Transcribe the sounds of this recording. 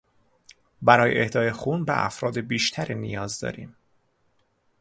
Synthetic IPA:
bæɾɒːjḛʔehd̪ɒːjexuːnbḛʔæ̰fɾɒːd̪ebiːʃt̪ʰæɾiːnijɒːzd̪ɒ̰ːɾḭːm

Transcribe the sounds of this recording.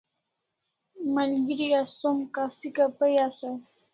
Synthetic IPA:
malɡiɾiasomkasikapəjasa

